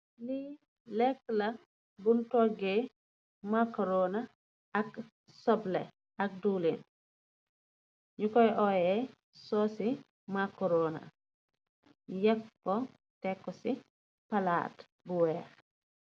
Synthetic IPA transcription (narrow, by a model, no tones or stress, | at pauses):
li | lɛkːlɐ | buntɔɡe | makɔɾona | ɐk | sɔblɛ̰ | ɐk̚duːlen | ɲukɔjʔɔjɛ | sɔsi | makɔɾona̰ | jɛkːɔ | tɛkːɔsi | pala̰ːt | buwɛɾ